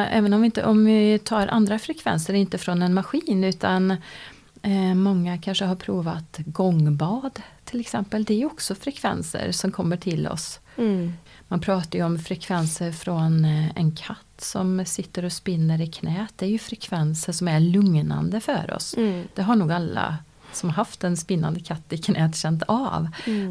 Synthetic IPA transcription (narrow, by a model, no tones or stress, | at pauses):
ʔɛ̰ːvənɔmvɪɪnt̪ə̰ʔɔmvɪt̪ʰɑːɾʔa̰nd̪ɾafɾɛkʰvɛ̰nsəɾɪnt̪əfɾɔnɛnmaɧiːnʉ̟ːt̪an | mɔŋːakʰanʂəɦaɾpʰɾuːvat̪ɡɔŋbɑːd̪t̪ʰːɪlɛksɛmpəld̪ɛæɾjɵɔksɔfɾɛkʰvɛ̰nsə̰ɾsɔmkʰɔmːəʈʰɪlɔ̰s | manpʰɾɑːt̪aɾjʉɔmfɾɛkʰvɛnsəɾfɾɔnɛ̰nkʰat̪ːsɔmsɪt̪ːəɾɔspɪnːəɾɪkʰnɛːt̪̚d̪ɛæɾjɵfɾɛkʰvɛnsəʂɔmæɾɭɵŋna̰nd̪əfœ̰ɾɔ̰sd̪̥ɛɦaɳuːɡalːa̰ | sɔmaɦaft̪ɛnspɪnːa̰nd̪əkʰat̪ːɪkʰnʔɛːt̪ɕɛnt̪a̰v